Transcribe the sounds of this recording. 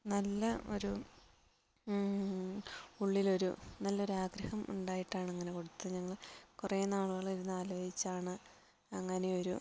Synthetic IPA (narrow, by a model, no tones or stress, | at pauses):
nɐlːɐo̞̰ɾu | uɭːilo̞ɾṵnɐlːɐo̞ɾuaːɡɾɐhɐmṵɳɖaːjiʈːaːɳeŋːɐne̞ko̞ɽut̪ːɨɲɐŋːɐɭkureːnaːɭuɣɐɭiɾunːaːloːd͡ʑit͡ɕːaːɳɨ | ɐŋːɐne̞o̞ɾu